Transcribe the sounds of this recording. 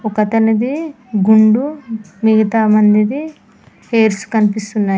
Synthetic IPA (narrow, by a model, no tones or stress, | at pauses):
ɔkɐt̪ɐnɐd̪i | ɡuɳɖu | miɡɐt̪aːmɐnd̪id̪i | heːɾsu̥kɐnipist̪unːaː